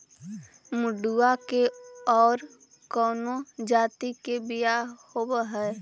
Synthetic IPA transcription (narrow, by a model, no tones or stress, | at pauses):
mʊɖuakeɔːɾ | kɔːnod͡ʒaːt̪ikebijahobɦɛː